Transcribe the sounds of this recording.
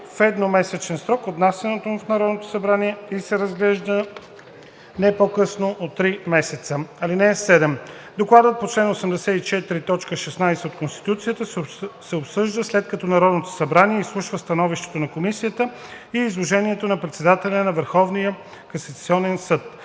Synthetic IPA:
fɛd̪nomɛsɛt͡ʃɛnsɾɔkot̪nasənot̪omufnɐɾɔd̪not̪o̥sɐbɾaniɛisɛɾəzɡlɛʒd̪ə | nɛpokɤsnoʔot̪ːɾimɛsɛt̪səɐlinɛːsɛd̪ɛm | d̪oklˠad̪ət̪̚pot͡ʃlɛnosəmd̪ɛsɛt̪it͡ʃɛt̪iɾit̪ɔt͡ʃkəʃɛsnajsɛot̪konst̪i̥t̪ut̪sijət̪əsɛopsɤʒd̪əslɛt̪kɐt̪ɔnɐɾɔd̪not̪o̥sɐbɾaniɛislˠuʃvəst̪ɐnɔviʃt̪ɛ̥t̪onɐkomisijət̪ə | iːzlˠoʒɛniɛt̪onɐpɾɛt̪sɛd̪at̪ɛlʲɐnɐvəɾxɔvnijə | kɐsɐt̪siɔnɛnsɤt̪̚

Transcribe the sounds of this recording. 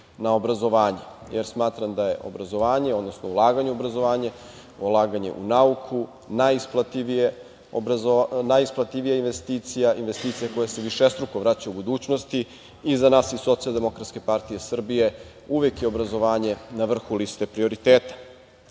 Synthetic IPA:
nao̞bɾazo̞ʋaːɲe | jeɾsmaːt̪ɾamd̪aje̞ʔo̞̰bɾazo̞ʋaːɲeo̞d̪no̞snoulˠaːɡaɲuobɾazo̞ʋaːɲe | ulˠaːɡaɲe̞̰ʔṵnaukʰu | najisplˠat̪iʋie | obaonajisplˠat̪iʋijainʋe̞st̪iːt̪sijaʔinʋe̞st̪iːt̪sijako̞jaseʋiʃest̪ɾukoʋɾat͡ɕaubud̪uːt͡ɕnost̪i | izanaːsiso̞t̪sialˠd̪e̞mo̞kɾat̪ske̞paɾt̪ijesr̩bije̞ | uʋekjeo̞bɾazo̞ʋaːɲe̞naʋr̩xulist̪e̞pɾio̞ɾit̪eːt̪ḁ

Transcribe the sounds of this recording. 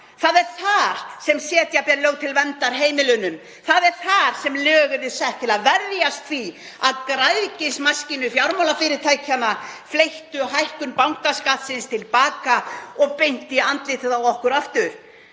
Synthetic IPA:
θaðɛɾ̥θaɾ̥sɛmsjɛːt̪japɛlœːɣt̪ʰɪlvɛnt̪aɾɦeːjmɪlʏnʏm | θaðɛɾ̥θaɾ̥sɛmlœːɣʏðɪsɛht̪ʰɪlaðvɛɾjast̪θi | aðkɾajðcɪsmascɪnʏfjawɾmawlafɪːɾɪɾt̪ʰajcʰanaflejht̪ʏɦajhkʏnpawŋ̥kaskat̪sɪnst̪ʰɪlpaːkaɔɣpejn̥t̪ɪant̪lɪːt̪ɪðawɔhkʏɾaft̪ʏɾ̥

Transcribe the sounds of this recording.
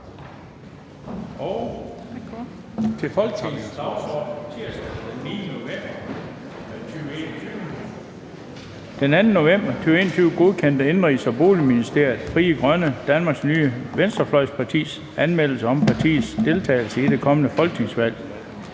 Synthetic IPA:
ɒʊ | t͡sʰe̝fɒ̽lɡ̥neŋsd̥ɑ̈ʊsɒd̥n̩t͡sʰiɐsd̥d̥enːiːnəno̝emb̥ɐ | t͡sʰyːʊe̝ːnɐt͡sʰyʊ | d̥enænn̩no̝em̰b̥ɐt͡sʰyːʊe̝ːnɐt͡sʰyːʊɡ̥o̝ðˠkʰen̰d̥əe̝nʁisɒ̽b̥o̝̰ːliminisd̥e̝ɐ̰jð̩ˠfʁiːəɡ̥ʁɶnəd̥ænmɑ̈ːɡ̥snyːəʋensd̥ɐflɒ̽ɪ̰spʰɑ̈t͡sʰḭːs | ænmel̰̩səɒ̽mpʰɑ̈t͡sʰḭːð̩ˠsd̥e̝lt͡sʰɛ̰ːɪlsəid̥e̝kʰɒ̽mənəfɒ̽lɡ̥ne̝ŋsʋæl̰

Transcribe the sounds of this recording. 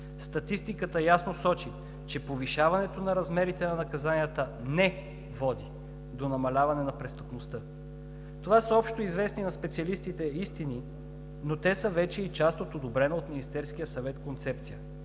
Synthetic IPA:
st̪ɐt̪ist̪ikət̪əjasnosɔt͡ʃi | t͡ʃɛpoviʃavɐnɛt̪onɐɾɐzmɛɾit̪ɛnɐnɐkɐzanijət̪ənɛ | vɔd̪i | d̪onɐmɐlʲavɐnɛnɐpɾɛst̪əpnost̪ɤ | t̪ovasəɔpʃt̪oizvɛsninɐspɛt̪siɐlist̪it̪ɛist̪ini | not̪ɛsəvɛt͡ʃɛit͡ʃast̪ot̪od̪obɾɛnoot̪minist̪ɛɾsk̟ijəsɐvɛt̪kont̪sɛp̚t̪sijə

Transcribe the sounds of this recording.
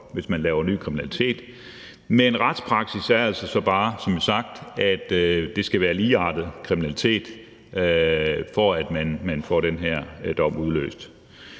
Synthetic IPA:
ʋe̝smænlɛːʊɐny̰ːkʰʁiminælit͡sʰe̝̰ːd̥ | menʁɑd̥spʰʁɑ̈ɡ̥sisæɐælsɒsɒ̽b̥ɑ̈ːsɒ̽mjisɑ̈ɡ̥̚d̥æd̥d̥e̝sɡ̥æʋæːɐliːɑ̰̈d̥ð̩ˠkʰʁiminælit͡sʰe̝̰ːd̥ | fɒæd̥mænmænfɒ̰ɾ̥enɦeɐ̰d̥ɒ̽muð̞ˠlø̰ːsd̥

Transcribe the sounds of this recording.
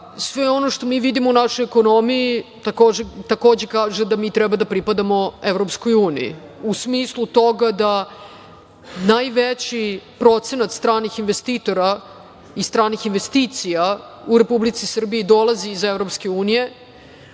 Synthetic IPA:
sʋeo̞noʂt̪o̞miːʋid̪imounaʃo̞jekono̞mijit̪akod͡ʑet̪ako̞ːd͡ʑekaːʒed̪amiːt̪ɾɛbad̪apɾipad̪amo̞evɾopskojuːnḭjḭusmislˠut̪o̞ɡad̪a | najʋet͡ɕipɾo̞t̪se̞nat̪st̪ɾaːnixinʋest̪iːt̪o̞ɾa | ist̪ɾaːnixinʋest̪iːt̪sija | uɾepublit̪sisr̩biid̪o̞lˠaziːzevɾo̞pskeuːnije̞

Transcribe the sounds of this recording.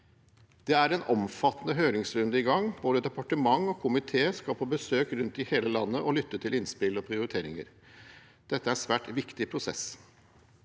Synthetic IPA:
d̪̥ɛæɾɛnɔmfɑt̪ːənəɦøːɾɪŋsɾʉnd̪əɪɡɑŋboːd̪əd̪ɛpɑʈəmɑŋɔkʰʊmɪt̪ʰeːskɑlpʰoːbəsøːkɾʉnt̪ɪheːləlɑnːəʔɔlʏt̪ːət̪ʰɪlɪnspɪlɔpʰɾɪʊɾɪt̪ʰeːɾɪ̰ŋə̰ɾ | d̪̥ɛt̪ːəæɾsʋæːʈʋɪkt̪ɪpʰɾʊsɛ̰s

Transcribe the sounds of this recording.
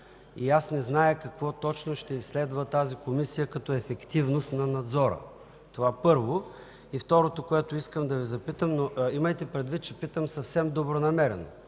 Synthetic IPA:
iasnɛznajəkɐkvɔt̪ɔt͡ʃnoʃt̪ɛisːlɛd̪vɐt̪azikomisijəkɐt̪ɔɛfɛkt̪ivnost̪nɐnɐd̪zɔɾə̰ | t̪ovapɤɾvo | ift̪ɔɾot̪okoɛt̪oiskəmd̪ɐvizɐpit̪əmnoʔiməjt̪ɛpɾɛd̪vit̪̚t͡ʃɛpit̪əmsɐfsɛmd̪obɾonɐmɛɾɛno̰

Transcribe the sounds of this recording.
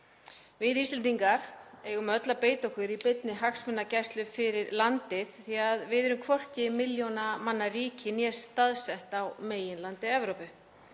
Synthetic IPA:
vɪðist̪ɪlt̪̬iŋkaɾ̥eːɣʏmœt̪lapeːjt̪owhkʏɾipɪt̪nɪɦaksmɪnːacajst̪lʏfɪɾɪɾlant̪ɪθθiaðvɪðɛɾʏmkʰvɔr̥cɪmɪljonamanːariːcɪnjɛst̪aðsɛht̪awmeːjɪnlant̪ɪɛvɾowpʏ

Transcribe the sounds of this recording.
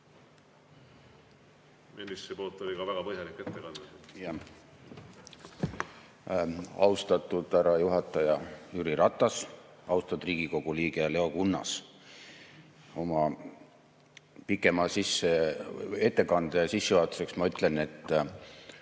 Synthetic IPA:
melːisepo̞ːlt̪ːˑolʲikɑvæɡ̥ɑpɤɦjɑlikːˑe̞t̪ːekɑnd̪̥ɑjɑ | ɑ̰wst̪ɑt̪ːˑud̪̥æɾɑjuɦɑt̪ːˑɑjɑyɾiɾɑt̪ːˑɑsɑwst̪ɑd̪̥riːɡ̥iko̞ɡ̥uliːɡ̥ele̞o̞kunːɑ̰s | o̞mɑ | pikːˑe̞mɑsisːee̞t̪ːe̞kɑnd̪̥esisːejuhɑt̪u̥se̞ksmɑyt̪ˑle̞ne̞t̪ːˑ

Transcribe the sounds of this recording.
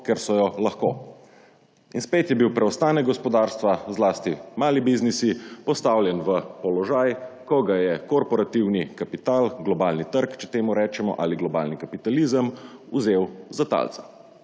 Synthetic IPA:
kɛɾsɔjɔlaxkoː | inspeːt̪jɛbiwpɾɛɔst̪aːnɛɡɔspɔd̪aːɾst̪ʋazlaːst̪imaːlibiznisipɔst̪awljɛnʋəpɔlɔʒajkɔɡajɛkɔɾpɔɾat̪iwnikapit̪aːlɡlɔbaːlnit̪əɾkt͡ʃɛt̪eːmuɾɛːt͡ʃɛmɔ̰ʔaliɡlɔba̰ːlnikapit̪alizəmuzeːwzat̪a̰lt̪sɛ̥

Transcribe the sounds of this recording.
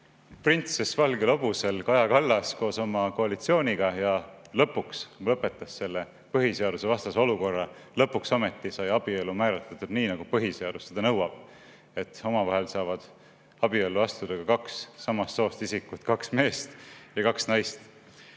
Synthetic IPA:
print̪se̞svɑlɡelob̥use̞lkɑjɑkɑlːɑsko̞ːso̞mɑko̞ɑlit̪sio̞ːnʲiɡ̥ɑjɑlɤpːukslɤpːˑe̞t̪ːˑɑsːe̞lːe | pɤɦise̞ɑd̪̥use̞vɑst̪ɑseo̞luko̞rːɑ | lɤpːuksɑme̞t̪ːisɑjɑb̥iolːumæːɾɑt̪ːˑɑt̪ːˑud̥̪niːnɑɡ̥upɤɦiseɑd̪̥usted̪ɑnɤwɑb̥ | e̞t̪ːo̞mɑvɑɦelsɑːvɑd̪̥ | ɑb̥iolːuɑst̪ud̪̥ɑkɑkɑksːɑmɑst̪so̞ːst̪isikːˑut̪kɑksme̞ːst̪jɑkɑksnɑjst̪

